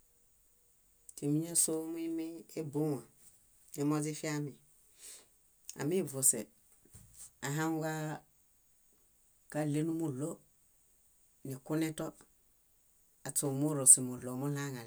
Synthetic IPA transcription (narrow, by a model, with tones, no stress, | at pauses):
te˨mi˦ɲa˦so˦mu˦i˦mi˦e˦bu˦ŋa˨ | e˨˦mo˦zi˦fi˦a˦mi˨ | a̰˨mi˦vu˨se˨ | a˨ɦa˦ŋɡa˦ | ka˦le˦nu˦mu˦lo˦ | ni˨ku˦ne˦to˦ | a˨t͡su˨mu˦ɾo˨si˨mu˨lo˨mu˦la˦ŋa˨l